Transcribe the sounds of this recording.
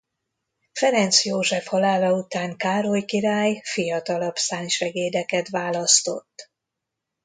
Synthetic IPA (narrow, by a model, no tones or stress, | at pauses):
fɛɾɛnt̪sjoːʒɛfhɒlaːlɒut̪aːŋkaːɾojkiɾaːjfijɒt̪ɒlɒpsaːnʃɛɡeːd̪ɛkɛt̪ʋaːlɒst̪o̞̰t̪ː